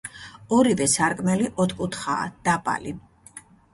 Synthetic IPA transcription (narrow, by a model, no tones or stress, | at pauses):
ɔɾivɛsaɾkʼmɛliʔɔt̪ʰkʼut̪ʰχa̰ːd̪̥apʼa̰li